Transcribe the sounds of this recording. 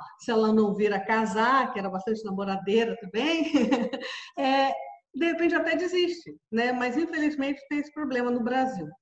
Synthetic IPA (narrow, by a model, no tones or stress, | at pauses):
sɪɛlɐnɐ̃w̃viɾɐkazakɪɛɾɐbast̪ɐ̃t͡ʃɪnamoɾad̪eɾɐt̪ɐ̃mbẽj̃ | ɛd̪eet̪ɾẽt͡ʃat̪ɛd͡ʒiziʃt͡ʃɪnɛmɐzĩfelizmẽnt͡ʃɪ̥t̪ẽj̃esɪ̥pɾoblẽmɐnʊbɾaziw